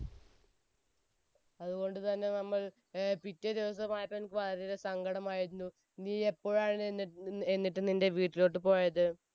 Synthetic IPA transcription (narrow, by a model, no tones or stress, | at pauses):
ɐðuɣo̞ɳɖɨt̪ɐnːe̞nɐmːɐɭ | pitːɐd̪iʋɐs̬ɐmaːjipːɐnkːɨʋɐlɐɾoɾesɐŋɡɐɽɐmaːjiɾunːu | niːe̞pːo̞ːɻaːɳenːienːiʈːɨninde̞ʋiːʈːilo̞ːʈ̬ːɨpo̞ːjɐðɨ